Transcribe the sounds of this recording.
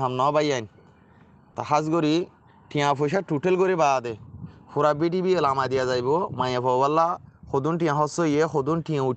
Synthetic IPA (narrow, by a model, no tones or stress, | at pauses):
ɦamnɔbajan | t̪aɦasɡoɾi | ʈijãfojʃ̬aʈuʈelɡoɾibad̪efuɾabiʈibielamad̪ijazajbɔmajãpɔbalːaxod̪unʈĩjãɦɔsoijexod̪unʈijãu